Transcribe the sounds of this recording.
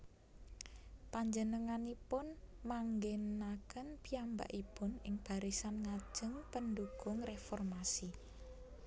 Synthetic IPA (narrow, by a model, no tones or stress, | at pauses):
paɲd͡ʒənəŋanipʊnmaŋɡenakənpiamba̰ʔipʊnɪŋb̥a̤ɾisanŋḁd͡ʒ̥əŋpənd̪uɡ̥ʊŋrefɔrmasi